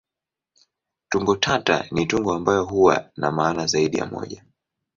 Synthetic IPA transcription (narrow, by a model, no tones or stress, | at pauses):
tuŋɡɔtʰata̰nituŋɡɔambajɔɦuwa̰namaːnazaiɗija̰mɔ̰ʄa